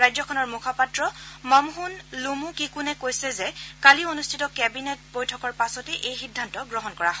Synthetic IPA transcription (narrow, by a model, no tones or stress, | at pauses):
ɹajzɔkʰɔnɔɹmukʰapatɹɔmamɦunlumukikunɛkojsɛzɛkalionustʰitɔkɛbinɛtbojtʰɔkɔɹpasɔtɛʔejxidʱːantɔɡɹɔɦɔnkɔɹaɦɔ